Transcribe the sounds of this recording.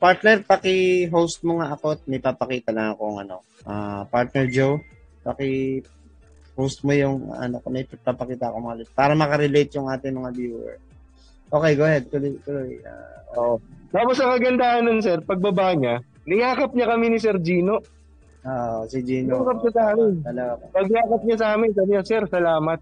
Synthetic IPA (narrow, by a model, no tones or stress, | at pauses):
paɹt̪nɛɾpɐkɪɦowst̪̚moŋaʔɐko̞ɐt̪̚mɐjpapɐkiːt̪ɐlɐŋɐkoŋɐ̰no̞̰ | ʔa̰ːpaɹt̪̚nɛɹd͡ʒow | pɐkɪ | howst̪̚mojʊŋ̰ɐ̰nokmɐjpɐɡ̚papɐkiːt̪ɐʔɐkomɐŋalet̪̚paːɾɐmɐkɐɾɛlejt̪̚jʊŋʔaːt̪ɪŋmɐŋabjuːɛ̰ɹ | ʔo̞ːkɛjɡoːhɛd̪̚t̪ʊlojt̪ʊloja̰oʔt̪aːposɐkɐɡɐnd̪aanonsɛɾpɐɡ̚bɐbaɲa | lɐjaːkɐp̚ɲɐkɐminisɛɾd͡ʒiːno | aʔsɪd͡ʒiːnokɐp̚ɲɐsaːmɪnt̪ɐlɐɡapɐpɐɡjaːkɐp̚ɲɐsaːmɪnsɐbɲasɛɾsɐlaːmɐt̪̚